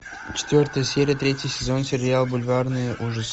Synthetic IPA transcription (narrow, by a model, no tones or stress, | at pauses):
t͡ɕɪ̥t̪ʲvʲort̪əjəsʲeɾʲɪjət̪ɾʲetʲjisʲɪzonsʲɪɾʲɪalˠbʊlʲvɑrnɨjəʔuʐɨs